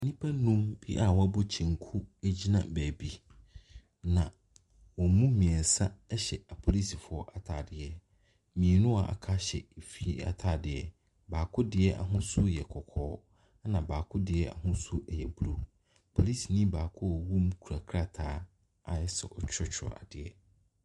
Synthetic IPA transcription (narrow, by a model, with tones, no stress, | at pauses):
nĩ˦pʰa˦nũ˦mb̥i˦ʔa˨wɔ˦a˦bɔ˦t͡ɕʰĩ˨ŋ̩˨kʰu˦e˦d͡ʑi˦nã̰˨bæː˨bi˨ | nã˨ | wɔ̃˨mũ˦mĩ˨ɛ˨n˨sa˦ɛ˦ɕɛ˨a˨pʰo˨li˦si˨fʊ˨˦ɔ˦ʔa˨tʰaː˨dɪ˨ɛ˨ | mĩ˨e˨nʊ̃˦a˨ʔa̰˨kʰa˦ɕɛ̰˨e˨fi˦i˦a̰˨tʰa˨dɪ˨ɛ˨ | baː˨kʰʊ˦dɪ˨˦ɛ˦ʔa̰˨ɦʊ̃˦sʊ˦jɛ˨kʰɔ˨kʰɔː˦ | nã˨baː˨kʰʊ˦dɪ˨ɛ˦a̰˨ɦʊ̃˦sʊ˦ʔɛ˨jɛ˨bu˦ɾu˦ | pʰo˨li˦si˨nĩ˦baː˨kʰʊ˦˨wu˦m˦kʰu˨ɾa˨kʰɾa˦tʰaː˦ | a˨jɛ˦sɛ̰˨ʔɔ˦t͡ɕʰᶣɪ˦t͡ɕʰɾɔ̰˨a˨dɪ˨ɛ˨